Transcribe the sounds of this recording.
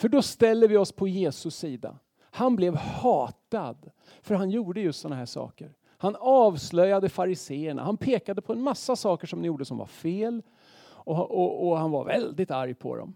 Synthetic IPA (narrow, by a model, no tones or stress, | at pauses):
fœɖɔst̪ɛlːəvɪɔspʰɔjeːsɵsiːd̪a̰ | hanblɛvhɑːt̪ad̪ | fœɾɦanjuːɖəjɵst̪sɔnːaɦæʂɑ̰ːkəɾ | hanɑːvslœjːad̪əfaɾɪseːəɳa̰hanpʰeːkad̪əpʰɔɛnmasːasɑːkəʂɔmnɪjuːɖəsɔmva̰ɾfeːl | ɔʔɔɔhanva̰ɾvɛ̰ld̪ɪt̪aɾjpʰɔ̰d̪ɔ̰m